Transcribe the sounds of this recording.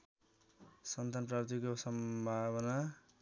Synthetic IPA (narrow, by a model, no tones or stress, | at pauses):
sʌnt̪anprapt̪ikosʌmbʱaβʌna